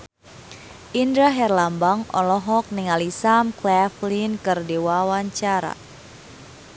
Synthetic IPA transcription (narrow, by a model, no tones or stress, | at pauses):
ʔindɾaɦɛrlambaŋɔ̰lɔɦɔk̚niŋalisamklɛflinkɨrdiwawaɲt͡ʃaɾa̰